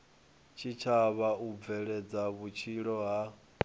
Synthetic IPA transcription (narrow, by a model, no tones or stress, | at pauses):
t͡ʃʰit͡ʃʰaβaub̪vɛɺɛd͡zaβut͡ʃʰiɺɔɦa